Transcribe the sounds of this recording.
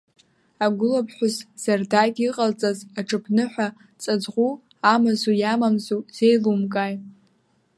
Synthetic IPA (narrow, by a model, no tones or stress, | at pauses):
aɡʷʊlapʰħʷᶣʊzz̥ardaɡʲiqʼalt͡sʼazaʈ͡ʂʰɨpʰnɨħʷa | t͡sʼad͡zʁʷu | amazujamamzuz̥ejlumkʼaj